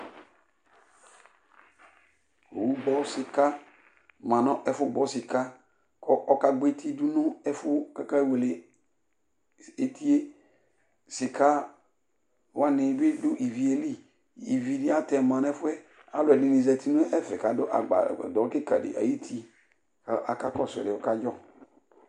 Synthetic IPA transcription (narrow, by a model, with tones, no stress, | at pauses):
o˨wu˦ɡ͡bɔ˦sɪ˨ka˦ | mã˨nɔ̃˦ʔɛ˨fʊ˦ɡ͡bɔ˨sɪ˨ka˦ | kʰɔ˦ʔɔ˨ka˨ɡ͡be˦tʰi˦du˦nʊ̃˦ɛ˦fʊ˦ka˦ka˦we˨le˨ | e˨tʰi˦e˦ | sɪ˨kʰa˦ | wa˦nɪ̃˨˦be˦dʊ˦ʔi˨vi˨e˨li˦ | i˨vi˨di˦a˦tɛ˨mã˨n˦ɛ˦fʊ˦ɛ˦ | a˨˦lʊ˨ɛ˨dɪ˨nĩ˨zɛ˨tʰi˦nʊ˦ʔɛ˦fɛ˨ka˨dʊ˦ʔa̰˨ɡ͡ba̰˨dɔ˨ɾkɪ˦ka˨dɪ̰˨ʔa̰˨ji˦tʰi˦ | ka˨a˨ka˦kɔ˦˨sɛ̰˨ɾɪ˨ɔ˨ka˦d͡ʒɔ˦